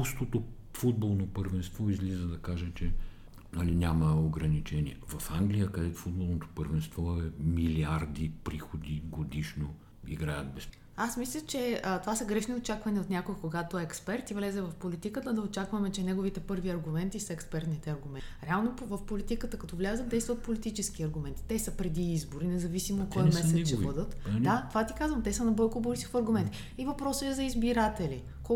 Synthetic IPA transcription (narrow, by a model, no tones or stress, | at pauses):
ust̪ot̪o | fud̪̚bolˠnopəɾvɛnst̪vɔizlizəd̪ɐkaʒət͡ʃɛ | nɐlinʲaməoɡɾɐnit͡ʃɛniɛvɐfaŋɡlʲijəkɐd̪ɛt̪o̥fud̪̚bolˠnot̪o̥pəɾvɛnst̪vɔɛmiliaɾd̪ipɾixod̪iɡod̪iʃno | iɡɾajət̪bɛs | asmislʲət͡ʃɛət̪ovasɐɡɾɛʃniot͡ʃakvɐniot̪nʲjakoikoɡat̪oɛɛkspɛɾt̪ivlɛzɛvɐfpolit̪ikət̪əd̪ɐot͡ʃakvɐmɛt͡ʃɛnɛɡovit̪ɛpɤɾviɐɾɡʊmɛnt̪isɐɛkspɛɾt̪nit̪ɛɐɾɡʊmɛɾɛalˠnovɐfpolit̪ikət̪əkɐt̪ɔvlʲazəd̪d̪ɛjst̪vət̪̚polit̪it͡ʃɛskiɐɾɡʊmɛnt̪i̥t̪ɛsəpɾɛd̪iizboɾinɛzɐvisimoot̪̚kɔjmmɛsɛt̪ʃɛbbɤd̪ət̪d̪at̪ovat̪ikazvəmt̪ɛsənɐbɔjkobuɾsi̥fɐɾɡʊmɛnt̪i | ivɐpɾɔsəɛzɐizbiɾat̪ɛli | ko